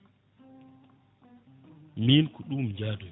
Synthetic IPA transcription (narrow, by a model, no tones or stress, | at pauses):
miːnkɔɗumɲd͡ʒaːdɔj